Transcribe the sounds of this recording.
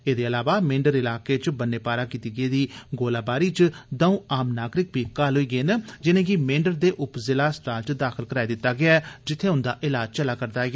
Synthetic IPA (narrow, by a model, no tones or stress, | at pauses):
eːd̪eːəlaːʋaːmẽːɳɖəɾɪlaːkeːt͡ʃbənːeːpaːɾaːkiːt̪iːɡeːd̪iːɡoːlaːbaːɾiːt͡ʃd̪əũːaːmnaːɡɾɪkbiːkaːlɦʊiːɡeːnd͡ʒɪnẽːɡimẽːɳɖəɾd̪eːʔʊpzɪlaːsʈaːɾt͡ʃd̪aːkʰɪlkəɾaːiːd̪ɪt̪ːaːɡɪaːɛd͡ʒɪt̪ʰːeːɦʊ̃nd̪aːʔɪlaːd͡ʒt͡ʃəlaːkəɾd̪aːɡɪaː